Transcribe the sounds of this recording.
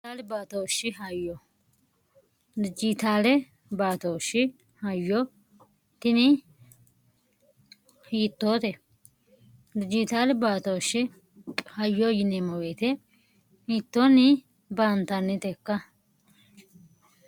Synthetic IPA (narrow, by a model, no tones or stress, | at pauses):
t̪aːlbaːt̪oːʃːɪɦɐjːɔ | d̪ɪd͡ʒɪt̪aːlɛ | baːt̪oːʃːɪ | hɐjːɔ | t̪ɪnɪ | hiːt̪ːoːt̪ɛ | d̪ɪd͡ʒɪt̪aːlbaːt̪oːʃːɪ | hɐjːɔjɪnɛmɔweːt̪ɛ | hiːt̪ːoːnɪ | bant̪ɐnːɪt̪ɛkːɐ